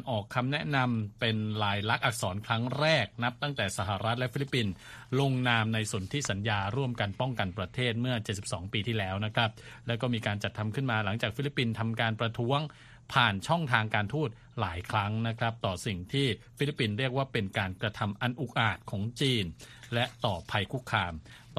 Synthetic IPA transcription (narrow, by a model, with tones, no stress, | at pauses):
nʔɔː˨˩kʰːa˧mnɛ˦˥ʔna˧mpe˧nɾaː˧jla˦˥k̚ʔa˨˩sɔː˩˦nkʰɾa˦˥ŋɾɛː˥˩k̚na˦˥p̚t̪a˥˩ŋt̪ɛː˨˩sa˧˩ɦa˨˩ɾa˦˥t̪̚lɛ˦˥fi˦˥li˦˥pːi˧nlo˧ŋnaː˧mna˧jsu˩˦nt̪ʰi˦˥sa˩˦njaː˧ɾu˥˩əmka˧npɔ˥˩ŋka˧npɾa˧t̪ʰeː˥˩t̪̚mɯ˥˩ɐt͡ɕe˨t̪̚si˨˩p̚sɔ̰ː˩˦ŋpiː˧t̪ʰiː˥˩lɛː˦˥wna˦˥kʰɾa˦˥p̚lɛ˦˥wkɔː˥˩miː˧kaː˧nt͡ɕa˨˩t̪ʰːa˧mkʰɯ˥˩nmaː˧la˩˦ŋt͡ɕaː˨˩k̚fi˦˥li˦˥pːi˧nt̪ʰa˧mkaː˧npɾa˧t̪ʰu˦˥əŋ | pʰaː˨˩nt͡ɕʰɔ˥˩ŋt̪ʰaː˧ŋkaː˧nt̪ʰuː˥˩t̪̚ | laː˩˦jkʰɾa˦˥ŋna˦˥kʰɾa˦˥p̚t̪ɔː˨˩si˨˩ŋt̪ʰiː˥˩fi˦˥lpːi˧nɾi˥˩ək̚waː˥˩pe˧nkaː˧nkɾa˧t̪ʰa˧mʔa˧nʔu˨˩k̚ʔaː˨˩t̪̚kʰɔː˩˦ŋt͡ɕiː˧nlɛ˦˥ʔt̪ɔː˨˩pʰa˧jkʰu˦˥kʰːɾaː˧m